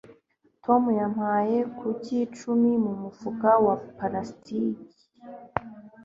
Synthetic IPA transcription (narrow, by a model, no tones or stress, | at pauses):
tʰo̞mujam̥haːje̞kʰucit͡ʃumimumufuɡawapaɾastiki̥